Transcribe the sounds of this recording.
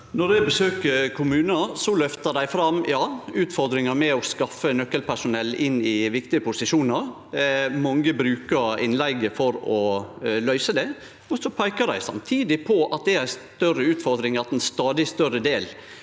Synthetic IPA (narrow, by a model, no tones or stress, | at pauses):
nɔd̪æɪbəsøːkəɾkʰʊmʉːnəɑsɔlœft̪əd̪æɪfɾɑmjɑːʉːt̪fɔɾd̪ɾɪŋəɾmɛɔskɑfːənœkːəlpʰæʂʊnɛlːɪnːɪʋɪkt̪ɪəpʊsɪʃuːnɑɾ | mɑŋəbɾʉːkəɾɪnlæɪɡəfɔɾɔlœʏsəd̪ɛ | ɔsɔpʰɑɪkəd̪æ̰ɪsɑ̰mt̪ʰiːd̪ɪpʰɔɑt̪̚d̪ɛæɾst̪œrəʉːt̪fɔɾd̪ɾɪŋɑt̪ɛnst̪ɑːd̪ɪst̪œɾəd̪eːl